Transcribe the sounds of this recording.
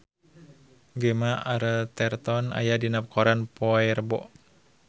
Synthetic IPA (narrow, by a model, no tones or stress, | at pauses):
ɡəmaʔaɾət̪ɛrt̪ɔna̰jadinap̚kʰɔɾanpɔɛrbɔ̰ʔ